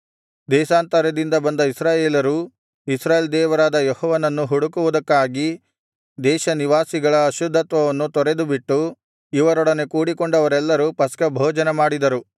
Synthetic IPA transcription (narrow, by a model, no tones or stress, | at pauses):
d̪ɛːʃaːnt̪ɐɾɐd̪ind̪ɐbɐnd̪ɐisɾaːjeːlɐɾu | isɾaːjeːld̪ɛːʋɐɾaːd̪ɐjɔhɔːʋɐnɐnːuɦuɽukuʋud̪ɐkːaːɡi | d̪ɛːʃɐniʋaːsiɡɐɭɐːʃud̪ʱːɐt̪ʋɐʋɐnːut̪ɔɾe̞d̪ubiʈːu | iʋɐɾɔɽɐne̞kuːɽikɔɳɖɐʋɐɾɛlːɐɾupɐskɐbʱɔːd͡ʒɐnemaːɽid̪ɐɾu